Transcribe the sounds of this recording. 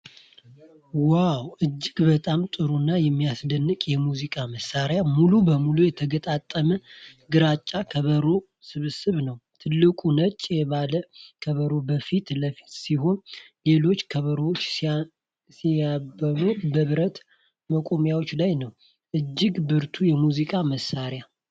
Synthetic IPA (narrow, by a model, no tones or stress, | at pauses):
wawʔɨd͡ʒːɪɡbət̪ʼamt̪ʼɨɾunːajɛmːijasd̪ənːɨkʼjɛmuzikʼaməsːaɾjamulubəmulujɛt̪ʰəɡət̪ʼat̪ʼːəməɡɨɾat͡ʃʼːakʰəβəɾo̞ | sɨβɨsɨβnəwt̪ʰɨlːɨkʼunət͡ʃʼːjɛβaləkʰəβəɾo̞bəfit̪ləfi̥t̪siho̞nle̞lo̞t͡ʃːkʰəβəɾəwot͡ʃː | siabːəlut̪bəβɾət̪ | məkʼo̞mjawot͡ʃːlajnəw | ʔɨd͡ʒːɪɡbɨɾt̪ʰujɛmuzikʼaməsːaɾja